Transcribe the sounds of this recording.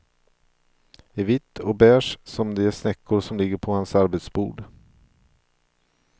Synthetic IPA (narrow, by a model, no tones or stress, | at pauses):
ɛvɪt̪ʰːɔbæːʂsɔmd̪ɛæʂnɛkːʊɾʂɔmlɪɡːəɾpʰɔhansaɾbɛt̪sbuːɖ